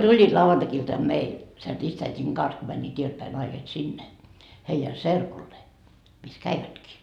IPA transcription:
tulʲːiːt lɑuʋɑntɑkiltɑm meil sen ristæitʲiŋ kɑns ko mænʲːiːt ieltpæi nɑiset sinːe heijæ serkulːeː mis kæiʋætkiː

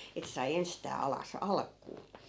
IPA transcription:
etːæ̆ sɑi enstæː ɑlɑs ɑlkˑuː

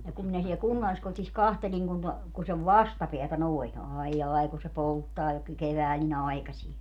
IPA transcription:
jɑ kum minæ siel kunːɑlːiskotis kɑhtelʲiŋ kun to ku seʋ ʋɑstɑpeætæ noi̯n ɑijːɑˑi̯ ku se poltːɑː jo ky keʋæːl nin ɑi̯kɑsie

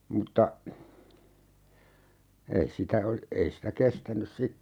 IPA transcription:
mutːɑ ei sitæ ol ei sitæ kestænys sitːe

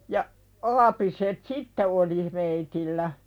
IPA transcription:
jɑ ɑːpiset sitːe oli meitilːæ

